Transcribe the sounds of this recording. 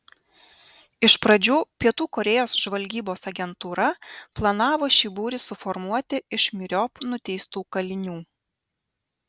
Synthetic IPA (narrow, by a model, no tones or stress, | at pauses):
ɪʃpɾɐd͡ʒʲuːpʲiɛt̪uːkɔɾʲɛjoːsʒʋɐlʲɡʲiːboːsɐɡʲɛnt̪uːɾɐplˠɐnɑːʋoːʃʲibuːɾʲɪsʊfɔɾmuɔt̪ʲɪɪʃmʲɪɾʲɔpnʊt̪ʲɛɪst̪uːkɐlʲɪnʲuː